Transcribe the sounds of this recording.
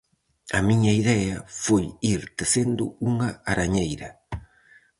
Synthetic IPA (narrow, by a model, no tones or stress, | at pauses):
ɐmiɲɐiðɛɐfojiɾt̪esend̪ʊ̰uŋɐaɾaɲejɾɐ